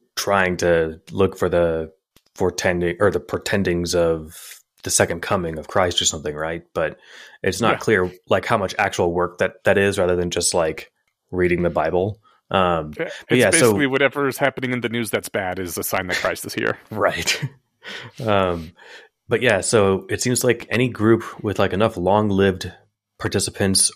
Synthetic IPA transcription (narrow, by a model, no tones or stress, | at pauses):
tʰɹ̥aɪɪ̃ŋtʰɨlʊkfə˞ðə | fə˞tʰɛ̃ndɪ̃ŋʔə˞ðəpʰɹ̥ɨtʰɛ̃ndɪ̃ŋzʌv | ðɨsɛkɨ̃nkʰʌmɪ̃ŋʌv̥kʰɹ̥aɪstə˞sʌ̃mθɪ̃ŋɹaɪt̚b̥ʌɾʔɨtsnətkʰl̥ɪɹlaɪkhaʊmʌt͡ʃæ̰k̚t͡ʃul̩ˠwɜ˞k̚ðɨt̪̚ðɨɾɪzɹæðə˞ðɨ̃nd͡ʒʌstˡlaɪk | ɹiɾɪ̃ŋðɨbaɪbl̩ˠ | ʔʌ̃mb̥ʌtjæbeɪsosʊɪkliwʌɾɛvə˞z̥hæpnɪ̃ŋɨ̃nðɨnʉzðɨtsb̥æɾɨzɨsãɪ̃nðɨt̚kʰɹ̥aɪstɨz̥hḭɹɹaɪt̚ | ʌ̃m | b̥ʌt̚jæsoʊɨtsĩmzlaɪkʰɛñiɡɹʉpwɪð̥laɪkɨnʌflɔ̃ŋlɪvd | pʰɑɹtʰɪsəpʰɨ̃nts